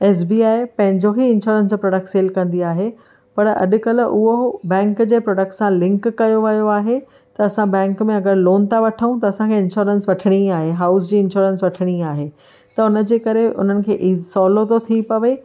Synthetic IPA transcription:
eːs̬biːaːɪpɐ̃ɦɪ̃ɲd͡ʑoɦiɪ̃nʃoːɾə̃ns̬d͡ʑoːpɾɔːɖək̚ʈseːlkɐ̃nd̪iaːɦe | pɐɾɐ̰ɗʊ̆kɐlʔʊɦobɛ̃ːŋkd͡ʑeːpɾɔːɖək̚ʈsãlɪ̃ŋkːɐjoʋɐjoaːɦe | t̪ɐɐsãbɛ̃ːŋkmẽɐɡəɾloːnt̪ʰaʋɐʈʰəũt̪ɐːsãkʰeɪ̃nʃoːɾənsʋɐʈʰɪɽ̃iaːɦeɦaːʊs̬d͡ʑiːɪ̃nɕoːɾənsʋɐʈʰɪɽ̃iaːɦe | t̪ɐʊnə̆d͡ʑeːkɐɾeʔʊ̰n̤ənɪ̆kʰeːʔisɔːlot̪ot̪ʰipɐʋe

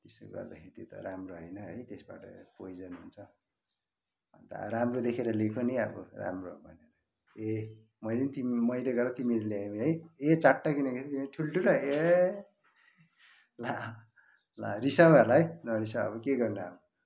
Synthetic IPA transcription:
t̪eso̰ɡʌ̰rd̪a̰kʰeɾit̪jot̪ʌ̰ɾamroɦʌjnʌɦʌjt̪esba̰ʈʌ̰pojd͡zʌnɦṵnt͡sʰʌ | ʌ̰nt̪ʌ̰ɾamrod̪ekʰeɾʌlekʰoniʌbʌ̰ra̰mrobʱʌ̰neɾʌ | e | mʌjlinit̪immʌjleɡʌrʌt̪imiɾelaemɦʌjet͡saʈːakinʌkesʰit̪imiʈʰulʈʰulʌe | la | la̰risawalaɦʌjnʌɾisawʌ̰bʌkeɡʌrnua̰bʌ

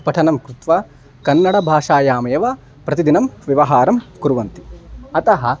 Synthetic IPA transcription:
pɐʈʰɐnɐmkɾut̪ʋaː | kɐnːɐɽɐbʱaːʂaːjaːmɐjɐʋaː | pɾɐt̪id̪inɐmʋiʋɐɦaːɾɐmkuɾuʋɐnt̪iɐt̪ɐɦɐ̆

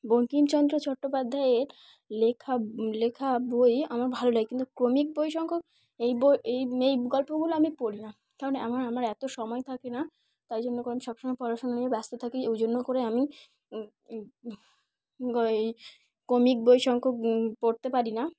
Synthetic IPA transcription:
boŋkimt͡ɕɔnd̪ɾot͡ɕɔʈːopad̪ʱːaeɾ | lekʰalekʰabojamaɾbʱaloɖajkint̪ukɾomik̚bojʃɔŋkʰok | ejboejejɡɔlpoɡuloamipoɾina | kaɾoneʔamaɾamaɾɛt̪oʃɔmɔet̪ʰakena | t̪ajd͡ʑonːokoɾeamiʃɔbʃomaepɔɾaʃonaniebast̪ot̪ʰakeewd͡ʑonːokoɾeami | ej | kɾomik̚bojʃɔŋkʰok̚poɾt̪epaɾina

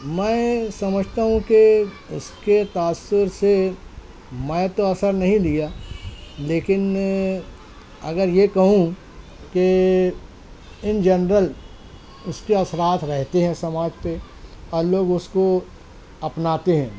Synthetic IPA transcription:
mɛ̃ːsɐməd͡ʒʱt̪aɦũke | ʊsket̪aːsɪɾse | mɛ̃t̪oɐsəɾnɐɦĩd̪ija | leːkɪn | ɐɡəɾjekɐɦũ | ke | ɪnd͡ʒɐnɾəl | ʊskeɐsɾaːt̪ʰɾɛɦt̪eɦɛ̃sɐmaːd͡ʒpe | ɔːɾloːɡʊsko | ɐpnaːt̪eɦɛ̃ː

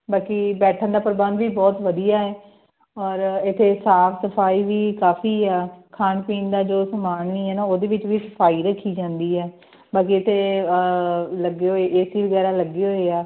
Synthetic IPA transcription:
baːkiːbɛːʈʰə̃nd̪aːpəɾbə̃nd̪ʋiːbɔːt̪ʋəd̪ijaːɛː | ɔːɾɪt̪ʰːeːsaːpʰsəpʰaːiːʋiːkaːfʰiːɛːkʰaːnpiːnd̪aːd͡ʒoːsəmaːɳniːɦɛːnaːoːd̪eːʋɪt͡ʃʋiːsə̥pʰaːiːɾəkʰːiːd͡ʒãːnd̪iːɦɛː | baːk̬iːɪt̪ʰeː | ləɡeːɦoːeːʔeːsiːʋəɡɛːɾaːləɡeːɦoːeɛː

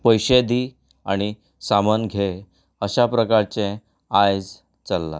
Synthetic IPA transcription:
pəjɕed̪i | aɽ̃i | samənɡʱe | əɕapɾəkaɾt͡ɕẽ | ajd͡z | t͡səlːa̰

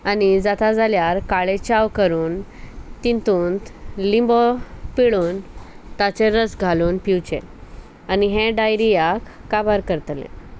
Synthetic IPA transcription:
anid͡zat̪ad͡zaljaɾkaɭet͡ɕaʋkəɾuːnt̪int̪uːnt̪limbɔpiɭuːnt̪at͡seɾəsɡʱaluːnpiwt͡ɕḛ | aniɦẽɖajɾijakːabaɾkəɾt̪lḛ̃

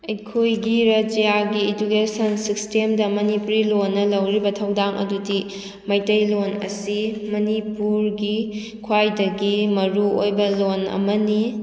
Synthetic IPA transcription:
ɐjkʰojɡiɾɐd͡ʒijaɡied͡ʒukesɐnsistemdɐmɐnipuɾilonːɐlɐwɾibɐtʰɐwdaŋɐ̰dudi | mɐjtɐjlonɐ̰simɐnipuɾɡi | kʰwajdɐɡimɐɾuojbɐlonɐ̰mɐni

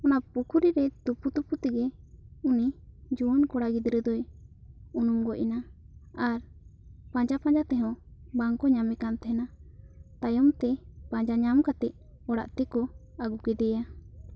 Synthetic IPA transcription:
ɔnapukʰuɾiɾɛt̪uput̪uput̪ɛɡɛ | unid͡ʒuɔnkɔɽaɡid̪ɾəd̪ɔj | unumɡɔʔina | aɾ | pãd͡ʒapãd͡ʒat̪ɛɦɔ̃baŋkɔɲamɛkant̪ɛɦɛnat̪ajɔmt̪ɛpãd͡ʒaɲamkat̪ɛʔ̚ | ɔɽa̰ʔt̪ɛkɔaɡukɛd̪ɛja

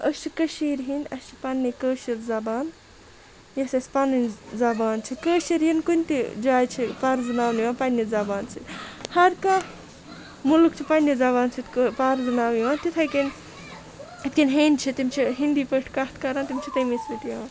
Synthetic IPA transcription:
əst͡ʃʰikɐʃiːɾɦĩnʲd̪ʲɐst͡ʃʰi̥pɐnːikəːʃiɾzɐbaːn | jɐsʲɐsʲpɐnɨnʲzɐbaːnt͡ʃʰikəːʃiɾjinkunʲt̪id͡ʒaːjt͡ʃʰipaɾzɨnaːwniʋaːnpɐnʲːizɐbaːnt͡sʰit̪hɐɾkɐ | mulukt͡ʃʰipɐnʲːizɐbaːnt͡sʰit̪kpaɾzɨnaːwiʋaːnt̪it̪ʰɐjkɐn | it̪kinɦenʲt͡ʃʰit̪imt͡ʃʰiɦind̪iːpəʈʰkɐht̪ʰkɐɾaːnt̪imʲt͡ʃʰit̪ɐmisʋit̪j

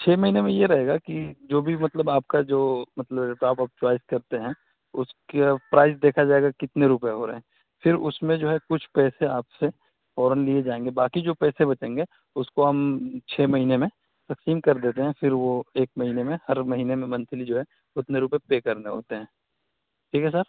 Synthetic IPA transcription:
t͡ʃʰeːmɐɦiːnemẽjeɾɐɦeːɡakid͡ʒoːbʱimɐt̪ləbaːp̚kad͡ʒoːmɐt̪ləbeʈaːpap̚t͡ʃwaːɪskɐɾt̪eɦɛ̃ | ʊskepɾaːɪzd̪eːkʰad͡ʒaːeɡakɪt̪neɾupjeɦoːɾɐ̰ɦɛ̃ː | fʰɪɾʊsmẽd͡ʒoːɦɛkʊt͡ʃʰpɛːseaːpse | fɔːɾənlied͡ʒaːẽːŋɡebaːkid͡ʒoːpɛːsebɐt͡ʃẽːŋɡe | ʊskoɦɐmt͡ʃʰeːmɐɦiːnemẽ | t̪ɐksiːmkɐɾd̪eːt̪eɦɛ̃fɪɾʋoeːkmɐɦiːnemẽhɐɾmɐɦiːnemẽmɐ̃nt̪ʰlid͡ʒoːɦɛ | ʊt̪neɾupepeːkɐɾneɦo̰ːt̪eɦɛ̃ː | ʈʰiːkɦɛsəɾ

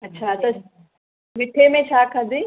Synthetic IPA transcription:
ɐtːʃʰat̪ɐ | ʋɪʈʰemẽʃaːkʰɐd̪i

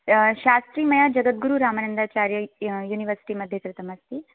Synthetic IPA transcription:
ɕast̪ɾiːmɐjad͡ʑɐɡət̪̚ɡuɾuɾamanənd̪at͡ɕaɾjəjuːniʋəɾsi̥ʈiməd̪ʱjek̪ɾɪt̪ʰəməst̪i

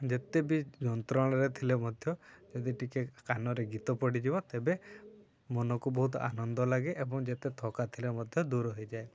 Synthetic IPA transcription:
d͡ʒet̪ebid͡ʒɔnt̪ɾɔɽ̃ɔɾet̪ʰilemɔd̪ʱjɔd͡ʒɔd̪iʈikekanɔɾeɡit̪ɔpɔɽid͡ʒibɔt̪ebe | mɔnɔkubɔɦut̪̬ɔa̰nɔnd̪ɔlaɡeʔːbɔŋd͡ʒet̪et̪ʰɔkat̪ʰilemɔd̪ʱjɔd̪uɾɔɦɔjd͡ʒae

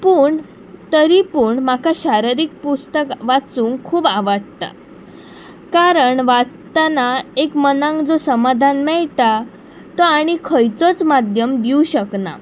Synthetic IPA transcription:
puːɳ | t̪əɾipuːɳm̤akʰaɕaɾiɾik̚pust̪əkʋat͡suːŋkkʰuːbaʋaɽt̪a̰ | kaɾəɳʋat͡st̪anaekmənãŋkd͡zosəmad̪ʱanmɛɭt̪a | t̪ɔaɽ̃ikʰəjt͡sɔt͡smad̪ʱjəmd̪iuɕəkna̰

